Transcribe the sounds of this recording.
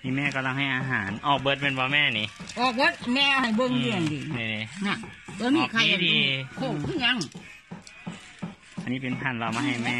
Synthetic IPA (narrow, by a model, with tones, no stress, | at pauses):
t̪ʰi˧˨mɛː˧˨kɔː˧˩˨la˧ŋha˧˩jʔaː˧ɦaː˩˦nʔɔː˧˨˩k̚bɤ˧˥t̪̚me˧˩˨bɔː˧˦mɛː˧˨ni˧˦ʔɔː˧˩k̚bɤ˧˥t̪̚mɛː˧ha˧˩jbo˧˨ŋdɯ˧˩əŋdiː˨˩ni˧˨ni˧˩na˧˩oː˧˦miɔː˨˩kkʰa˧˨iː˧˦˨di˧˨kʰo˧˩ŋkʰɯː˧˥˩ɲa˧˥˨ŋ | ʔa˧nːiː˥pe˨np̪ʰa˧˩nlɔː˧˩maː˧ɦa˧˩jmɛː˧˨